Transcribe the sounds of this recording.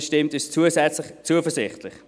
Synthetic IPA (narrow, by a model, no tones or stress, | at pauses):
ʃtɪmtɪst͡suəsɛt͡slɪχt͡suəfəɹzɪχtʰlɪχ